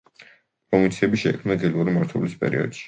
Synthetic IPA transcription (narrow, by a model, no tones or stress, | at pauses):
pʼɾɔmint̪sʰiɛbiʃɛkʰmnaɡ̪ɛluɾimaɾt̪ʰwɛlispʼɛ̰ɾḭɔ̰d̪̥ʃi̥